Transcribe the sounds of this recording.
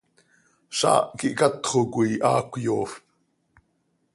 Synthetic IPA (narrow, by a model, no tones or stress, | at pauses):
ʃɑ̰ːʔkiʔkɑt̪χokuiʔɑːkʷjoːf